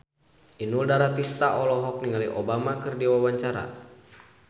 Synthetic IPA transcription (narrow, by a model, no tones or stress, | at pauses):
ʔinuldaɾat̪ist̪aʔɔlɔɦɔk̚niŋaliʔɔbamakɨrdiwawaɲt͡ʃaɾa̰